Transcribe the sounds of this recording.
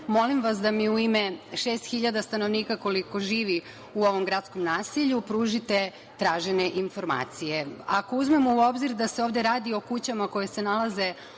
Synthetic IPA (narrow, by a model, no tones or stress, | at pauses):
mo̞limʋasd̪amiuimeʃest̪xiʎad̪ast̪ano̞ʋniːkako̞liko̞ʒiːʋi | uo̞ʋo̞mɡɾat̪sko̞mnaːsiʎupɾuːʒit̪e̞ | t̪ɾaːʒeneʔinfo̞ɾma̰ːt̪sijeako̞uzmemouo̞bziɾd̪aseo̞ːʋd̪e̞ɾaːd̪io̞kut͡ɕamako̞jese̞nalaze̞